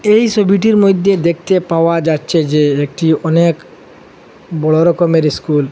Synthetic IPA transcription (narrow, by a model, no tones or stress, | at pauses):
ejsobʱiʈ̬iɾmojd̪ʱːed̪ek̚t̪epaoad͡ʑatːɕʰed͡ʑeek̚ʈiɔnek | bɔɭoɾɔkomeɾiskul